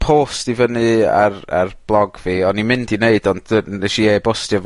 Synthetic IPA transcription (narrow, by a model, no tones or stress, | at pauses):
pʰoːstivənɨa̰ra̰rb̥lˠɔɡviːɔnːimɪndineɨdɔndɛʃiebɔstjəv